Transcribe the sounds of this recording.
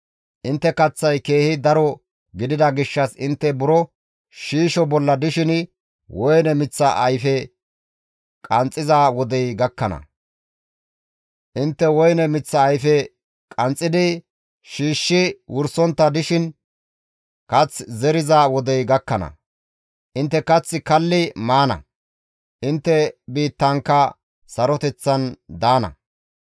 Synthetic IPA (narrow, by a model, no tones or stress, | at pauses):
ʔɪnt̪ːɛkɐt͡sːɐjke̞ːhɪd̪ɐɾɔ | ɡɪd̪ɪd̪ɐɡɪʃːɐsɪnt̪ːɛbʊɾɔ | ʃiːʃɔbɔlːɐd̪ɪʃɪn | wʔɔjnɛmɪt͡sːɐʔɐjfɛ | kʼɐnt͡sʼːɪzawɔd̪ɛjɡɐkːɐnɐ̰ | ʔɪnt̪ːɛwɔjnɛmɪt͡sːɐːjfɛ | kʼɐnt͡sʼːɪd̪ɪ | ʃiːʃːɪwʔʊɾsɔnt̪ːɐd̪ɪʃɪn | kɐt͡szɛɾɪzawɔd̪ɛjɡɐkːɐnɐ̰ | ʔɪnt̪ːɛkɐt͡sːɪkɐlːɪmaːnɐ̰ | ʔɪnt̪ːɛbiːt̪ːɐŋkːɐ | sɐɾɔt̪ɛt͡sːɐnd̪aːnɐ̰